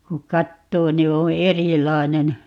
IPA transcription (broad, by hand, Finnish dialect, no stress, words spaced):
kuk̆ kɑtːoː ni õː erilɑinen